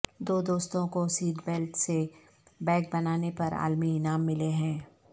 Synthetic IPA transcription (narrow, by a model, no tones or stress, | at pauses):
d̪oːd̪oːst̪õkosiːʈbelʈse | bɛ̃ːk̚bɐnaːnepɐɾa̰ːlminaːmːɪleɦɛ̃ː